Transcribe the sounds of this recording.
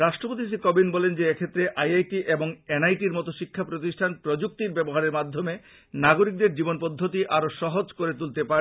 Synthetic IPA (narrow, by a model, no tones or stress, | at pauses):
ɾaʃʈɾopot̪iʃikɔbinbɔlend͡ʑeekʰet̪ːɾeʔajajʈiʔeboŋenajʈiɾmɔt̪oʃikʰːapɾot̪iʃʈʰanpɾod͡ʑuk̚t̪iɾbɛboɦaɾeɾmad̪ʱːome | naɡoɾik̚d̪eɾd͡ʑibonpod̪ʱːot̪iʔaɾoʃɔɦod͡ʑkoɾet̪̬ult̪epaɾ